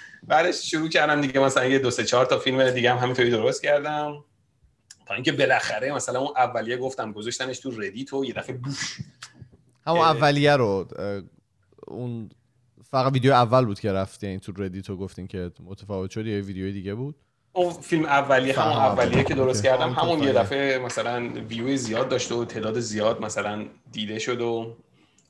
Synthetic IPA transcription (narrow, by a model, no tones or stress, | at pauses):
bæd̪eʃʃuɾuːcæɾd̪æmd̪iɟemæsælænjed̪oset͡ʃʰɒːɾt̪ʰɒfilmed̪iɟehæmhæmint̪ʰoɾiːd̪o̞ɾost̪̚cʰæɾd̪æm | t̪ʰɒːĩːŋcʰʲe̞be̞læxæɾemæsælænunʔævːælijeɡo̞ft̪æmɡozoʃt̪æne̞ʃt̪ʰured̪it̪ʰoje̞d̪æfebuʃ | hæmunævvːælijæɾo | un | fæɣæd̪vid̪ejojeævːælbuːd̪̥cʰe̞ɾæft̪janit̪ʰuɾed̪iːt̪ʰoɡoft̪imcʰe̞mot̪ʰæfɒːve̞t̪ʃod̪ijjevid̪ejojed̪iːɟebuːd̪̥ | unfilmævːælijehæmunæːælijekʰed̪oɾost̪cʰæɾd̪æmhæmunjed̪æfemæsælænvid̪jojezijɒːd̪̚ːɒːʃt̪eot̪ʰeːd̪ɒːd̪ezijɒːd̪mæsælænd̪iːd̪e̞ʃo̞d̪o